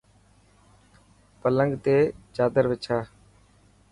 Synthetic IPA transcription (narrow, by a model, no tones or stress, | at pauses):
pələŋɡt̪eːt͡ʃaːd̪əɾʋɪt͡ʃʰaː